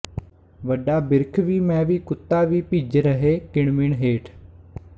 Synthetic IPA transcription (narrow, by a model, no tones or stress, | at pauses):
ʋəɖaːbɪɾkʰʋiːmɛ̃ːʋiːkʊt̪ːaːʋiːpiːd͡ʒɾəɦeːkɪɳmɪɳɦeːʈʰ